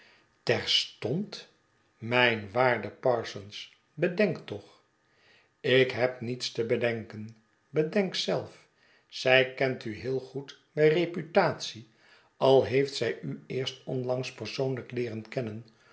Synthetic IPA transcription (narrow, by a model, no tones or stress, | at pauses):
tɛɹstɔnt | mɛjnʋaːɹdəpɑɹsɔns | bədɛŋktɔχ | ɪkɦɛpnitstəbədɛŋkən | bədɛŋksɛlˠf | sɛjkɛntyɦɪːlˠχut | mɛrepytaːt̪si | ɑlˠɦejftsɛjʔyɪːɹstɔnlɑŋspəɹsownləklɪːʁənkɛnən